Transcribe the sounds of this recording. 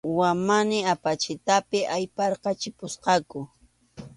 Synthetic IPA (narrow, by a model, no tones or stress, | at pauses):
wamanɪapat͡ʃɪt̪apɪʔajpɑɾqɑt͡ʃɪpʊsqɑkʊ